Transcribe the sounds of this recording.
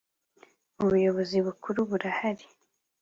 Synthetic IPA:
uβujɔβoziβukuɾuβuɾahaɾi

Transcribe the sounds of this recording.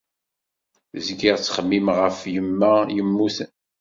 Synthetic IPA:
zɡiʁt͡sːχəmːimʁəfjəmːæjəmːuθn

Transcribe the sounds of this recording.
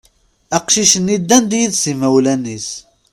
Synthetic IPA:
æqʃiʃənːid̪ːænd̪jiðsimæwlænːis

